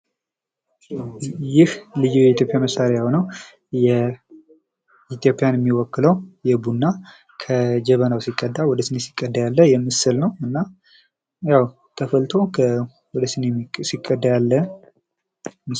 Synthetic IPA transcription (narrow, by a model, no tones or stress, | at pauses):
jɪhlɨjːujɛit̪ʰjo̞pʼjaməsaɾejahonəw | jɛ | it̪jo̞pʼːijanɛmːiwɔkːɨləwjɛbunːa | kʰəd͡ʒɛβənawsikʼːəd̪ːawɔd̪əsɨnesi̥kʼːəd̪ːajalːəjɛmːɨsɨlnəwɨnːa | jaw | t̪ʰəfəlt̪ʰo̞kʰə | wɔd̪əsɨnːesikʼːəd̪ːajalːə | mɨ